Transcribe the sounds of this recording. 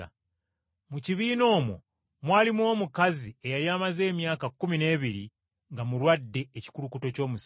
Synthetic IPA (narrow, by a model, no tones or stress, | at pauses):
muciβiːno̞ːmwo̰ | mwaːlimwo̞ːmukazie̞jalijaːmaze̞ːmjaːkakːumine̞ːβiɾi | ŋɡamulwadːe̞ːci̥kuɾukuto̞co̞ːmus